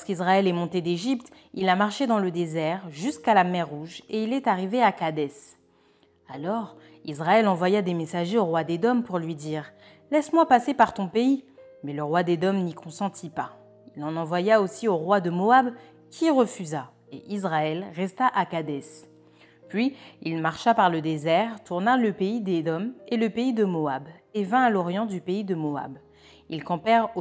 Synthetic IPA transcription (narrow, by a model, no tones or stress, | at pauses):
ɔʁskizʁaɛlɛmɔ̃t̪ed̪eʒipt̪ | ilamaʁʃed̪ɑ̃ləd̪ezɛʁʒyskalamɛʁːuʒeilɛt̪aʁiveakad̪ɛs | alɔʁ | izʁaɛlɑ̃vwajad̪emesaʒeoʁwad̪ed̪ɔmpuʁlɥid̪iːʁ | lɛsmwapasepaʁt̪ɔ̃pei | mɛləʁwad̪ed̪ɔmnikʰɔ̃sɑ̃t̪ʰipa | ilɑ̃nɑ̃vwajaosioʁwad̪əmoab | kʲʰiʁəfyza | eʔizʁaɛlʁɛst̪aʔakad̪ɛs | pɥiilmaʁʃapaʁləd̪ezɛʁt̪uʁnaləpeid̪ed̪ɔmeləpeid̪əmoab | evɛ̃alɔʁjɑ̃d̪ypeid̪əmoa̰b | ilkɑ̃pɛʁo